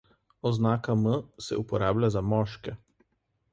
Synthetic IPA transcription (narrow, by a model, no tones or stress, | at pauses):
ɔznaːkaməsɛ̰upɔɾaːblʲazamɔːʃkɛ